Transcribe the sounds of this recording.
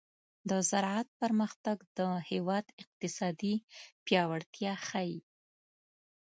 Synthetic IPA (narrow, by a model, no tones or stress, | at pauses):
d̪əzaɾʕat̪̚pəɾməxt̪aɡd̪əhewɑd̪ɪq̚t̪ɪsɑd̪ipjɑwaɽt̪jɑxaji